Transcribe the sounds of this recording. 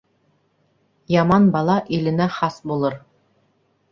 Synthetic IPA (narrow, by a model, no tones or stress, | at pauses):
jɑmɑnbɑlˠɑʔilɘ̆næχɑsbulˠɤɾ